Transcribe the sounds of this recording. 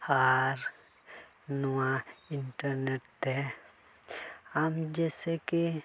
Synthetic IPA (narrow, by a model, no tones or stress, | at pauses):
haːɾ | nuwãɪɳʈəɾneʈt̪e | amd͡ʒɛːseki